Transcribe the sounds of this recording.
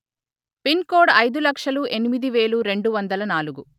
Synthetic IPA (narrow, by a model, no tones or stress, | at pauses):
pinkoːɖɐjd̪ulɐkʂɐluʔe̞nimid̪iʋe̞ːɭuɾe̞ɳɖuʋɐnd̪ɐlɐnaːluɡu